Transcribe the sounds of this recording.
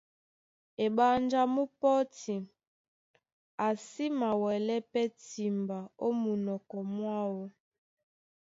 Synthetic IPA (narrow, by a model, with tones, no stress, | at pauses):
e˨ɓa˦nd͡ʒa˦mu˦pɔ˦ti˨ | a˨si˦ma˨wɛ˨lɛ˦pɛ˦ti˨mba˨o˦mu˨nɔ˨kɔ˨mwa˦wɔ˦